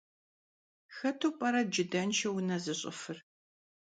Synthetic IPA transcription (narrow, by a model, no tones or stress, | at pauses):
xɐtʰuːpʼɐɾɐd͡ʒɪdɐnt͡ʃʰɐwʊnɐzɨɕʼɪ̰fɨr